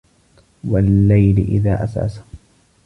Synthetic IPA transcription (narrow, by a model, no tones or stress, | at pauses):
walːajlɪ̰ʔɪ̰ðaːʔasa̰ːsḁ